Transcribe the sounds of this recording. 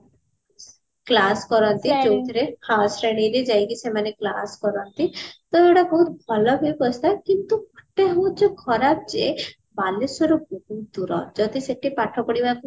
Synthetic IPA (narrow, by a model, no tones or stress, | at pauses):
klaskɔɾɔnt̪id͡ʒewt̪ʰɔɾehawasɾeɽ̃iɾed͡ʒajkisemaneklaskɔɾɔnt̪it̪ɔewɽabɔɦut̪bʱɔlɔbʱebɔst̪ʰakint̪ukɔʈeɦõt͡ʃɔkʰɔɾab̚d͡ʒe | balesɔɾubuɦut̪uɾɔ̰d͡ʒɔd̪iseʈʰipaʈʰɔpɔɽibaku